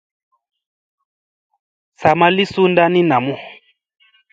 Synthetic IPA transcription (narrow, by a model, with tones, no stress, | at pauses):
sa˨ma˦li˦su˦nda˦ni˦na˨mu˦˨